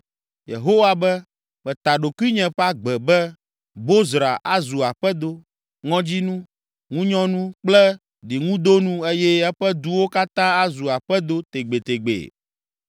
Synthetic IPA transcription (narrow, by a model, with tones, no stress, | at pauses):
jḛ˨ɦo˦wa˦bɛ˦ | mɛ˨t̪a˨ɖo˨ku˦i˦ɲɛ̃˨ɸa˦ɡ͡bɛ˨bɛ˦ | bo˦zɾa̰˨ʔa˦zu˨a˨ɸɛ˦d̪o˦ | ŋɔ̃˦d͡ʑi˦nũ˦ | ŋũ˦ɲɔ̃˦nũ˦k͡plɛ˦ | ɖi˨ŋũ˦d̪o˦nũ˦e˦jɛ˦ɛ˦ɸɛ˦d̪u˦wo˦ka˦t̪ã˦a˦zu˨a˨ɸɛ˦d̪o˦t̪e˨ɡ͡be˨t̪e˨ɡ͡bḛ˨